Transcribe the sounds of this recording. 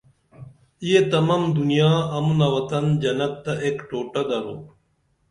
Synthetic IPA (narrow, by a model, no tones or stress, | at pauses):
ijet̪ɐmamd̪ʊnijaːɐmunaʋɐt̪ɐnd͡ʒɐnɐb̚t̪ɐʔeːkʈoːʈɐd̪ɐɾo̰ː